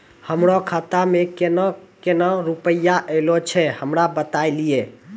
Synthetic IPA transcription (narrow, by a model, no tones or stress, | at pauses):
həmɾokʰat̪amekenɔkenɔɾupəjːaʔelot͡ʃʰɛhəmɾabət̪ajlie